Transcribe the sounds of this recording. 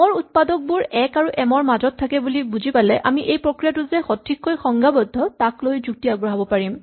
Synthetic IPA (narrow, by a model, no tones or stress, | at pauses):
mɔɹut̚padɔk̚buɹɛkaɹuʔɛmɔɹmazɔtʰːakɛbulibuzʱipalɛʔamiʔejpɹokɹijatʊzɛxɔtʰːikkojxɔŋɡʱabɔdʱːɔtaklojzuk̚tiaɡɹaɦɔbɔpaɹim